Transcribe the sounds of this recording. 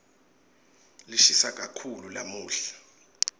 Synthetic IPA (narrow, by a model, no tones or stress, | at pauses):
liʃisak̬ʼakʰulula̰muːɬḁ